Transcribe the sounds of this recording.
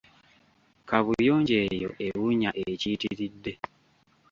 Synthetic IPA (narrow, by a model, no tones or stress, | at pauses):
kaβujo̞ːɲɟeːjo̰ʔe̞wuɲaʔeeciːtiɾidːe̞